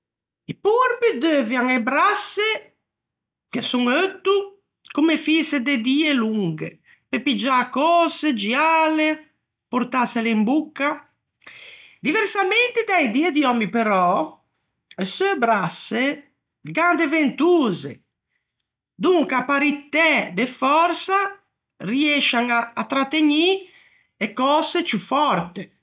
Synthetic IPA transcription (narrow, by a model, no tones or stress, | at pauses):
ipuɾpid̪øːvjaŋɛbɾasːɛ | kesuŋøt̪ːu | kumefisɛd̪ed̪iːɛluŋɡɛ̰ | pepid͡ʒakːɔːsɛd͡ʒiaaːlɛ | pɔɾt̪asɛleimbukːa | d̪ivɛɾsament̪id̪ɛjd̪ied̪iɔmipeɾɔ | søbɾasːe | ɡand̪event̪uːze | d̪uŋkapaɾit̪ːɛd̪efɔɾsa | riɛʃaŋaːt̪ːɾat̪ːeɲi | ɛkːɔːset͡ʃufɔɾt̪e